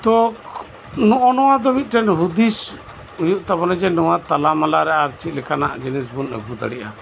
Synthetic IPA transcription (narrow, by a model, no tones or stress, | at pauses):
t̪ɔk | nɔʔɔnɔwad̪ɔmit̪̚ˀʈɛnɦud̪is | ujuʔt̪abɔnɛd͡ʒɛnɔwãt̪alamalaɾɛaɾt͡ʃit̪̚lɛkanaʔd͡ʒɛnisbunɛ̰bud̪a̰ɽiʔa̰